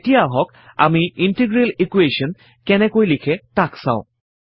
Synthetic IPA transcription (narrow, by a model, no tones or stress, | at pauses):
tijaɦɔk | a̰miintiɡɹelikweʃɔn | kɛnɛkojlikʰɛtaksã̰ʊ̃